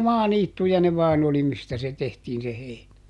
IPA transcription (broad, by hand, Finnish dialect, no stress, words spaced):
mɑːniːtːujɑ ne ʋɑːn oli mistæ se tehtiːn se heinæ